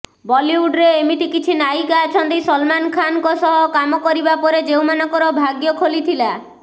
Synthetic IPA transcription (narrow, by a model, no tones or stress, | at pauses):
bɔliuɖɾeemiʈ̪ikit͡ʃʰinajkaːt͡ʃʰɔnt̪ejsɔlmankʰankɔsɔɦɔkamɔkɔɾibapɔɾed͡ʒewmanɔŋkɔɾɔbʱaɡjɔkʰolit̪ʰila